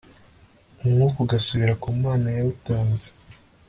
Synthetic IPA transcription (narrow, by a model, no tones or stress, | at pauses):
umukuɡasuβiɾakumaːnajautaːnzḁ